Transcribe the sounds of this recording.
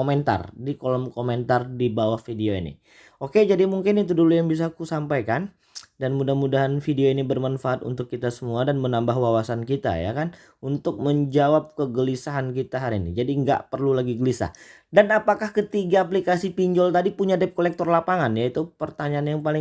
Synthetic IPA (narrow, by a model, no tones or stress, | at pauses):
omɛnt̪a̰rdikolɔmkomɛnt̪ardibawahfideoḭnḭ | oked͡ʒadimuŋkɪnit̪̬udulujaŋbis̬akusampajkan | danmudahmudaɦanfideoinibərmanfaːt̪ṵnt̪ʊkːit̪asəmuadanmənambahwawasankit̪a̰ja̰kan | unt̪ʊk̚məɲd͡ʒawap̚kəɡəlisaɦankit̪aɦaɾinḭd͡ʒadiŋɡa̰ʔpərlulaɡiɡəlisa̰h | danapakahkət̪iɡaːplikasipiɲd͡ʒɔlt̪adipuɲadɛp̚kolɛk̚t̪ɔrlapaŋanjait̪upərt̪aɲaanjaŋpalɪŋ